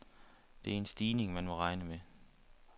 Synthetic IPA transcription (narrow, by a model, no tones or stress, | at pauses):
d̥e̝æɐe̝nsd̥iːne̝ŋmænmɒ̽ʁɑ̈ɪnəme